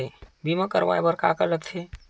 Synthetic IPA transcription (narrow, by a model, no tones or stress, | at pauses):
ebimãkə̰ɾʋa̰ːebəɾka̰ːkələɡt̪ʰe